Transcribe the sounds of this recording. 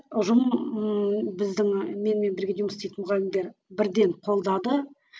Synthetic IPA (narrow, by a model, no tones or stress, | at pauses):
ʊʒəməbɪzd̪ɪŋme̞nme̞nbɪɾɡʲe̞ʒjuməsijt̪nmʊʁɑlɪmd̪e̞ɾbɪɾd̪e̞ɴqʰo̞lˠd̪ɑd̪ə